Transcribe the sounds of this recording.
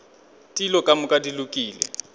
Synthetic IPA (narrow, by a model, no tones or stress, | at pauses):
tʼilɔkʼamʊkʼadilʊkʼiːlɛ̰